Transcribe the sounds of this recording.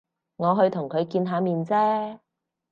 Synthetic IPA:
ŋɔː˨˧ɦɵ˧ɥt̪ʰʊ˨˩ŋkʰɵ˨˧ɥkiː˧nɦaː˨˧miː˨nt͡sɛː˥

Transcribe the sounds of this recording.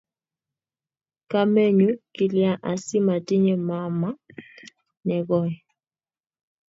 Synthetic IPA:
ka˦mɛ˦ɲu˦ki˨lja˨ʔa˨si˦ma˨tɪ˦ɲɛ˨ma˦ma˦ | nɛ˨ɣɔ˦˨ɛ˨

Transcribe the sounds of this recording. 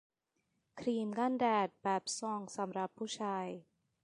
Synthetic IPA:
kʰɾiː˧mɡa˥˩˨ndɛː˨˩t̪̚bɛː˨˩p̚sɔ˧˩ŋsa˩˦mɾa˨˩pʰːuː˥˩t͡ɕʰaː˧j

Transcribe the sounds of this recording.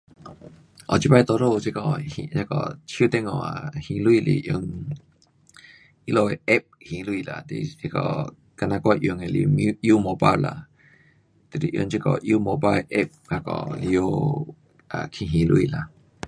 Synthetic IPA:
ʔɔ˨t͡ʃi˦ba˧˦jt̪o˧ɾo˦˧t͡ʃi˦kɔ˧˨hi˧˨ɲa˧˦kɔ̰˨t͡ʃʰu˦t̪e˦˧ŋɔ̃˨a̰˨hĩ˧lwi˧˨lḭ˧˨ʔjo˧ŋ | i˦lo˧e˨ʔe˦p̚hĩ˧˨lu˧˦i˧˨la˨t̪ḛ˧˨ji˧kɔ˨ | ka˧nã˧kʷa˦˧ʔjo˧˨ŋe˨li˧m˦ju˦mo˧˨ba˦˨la˧˨ | t̪e˨lḭ˨ʔjo˧ŋt͡ʃi˦˧kɔ˨ʔju˦mo˧˨ba˧ʔe˦p̚ha˧kɔ̰˧˨ʔli˧o˧ | a˨kʰĩ˧ɦĩ˧˨lu˧ḭ˧˨la˨

